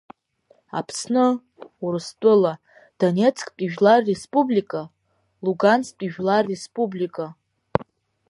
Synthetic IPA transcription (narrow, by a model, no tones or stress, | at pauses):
a̰pʰsnɨ | uɾɨstʷʼɨla | d̥onʲe̞t͡sʰʼkʼtʼiʒᶣlarːespʼublikʼa | luɡansʼtʷʼiʒᶣlarːe̞spʼublikʼa